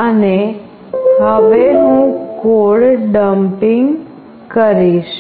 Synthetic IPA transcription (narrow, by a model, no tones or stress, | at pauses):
əne | ɦəʋeɦũɡoɭɖəmpiŋɡ | kəɾiʃ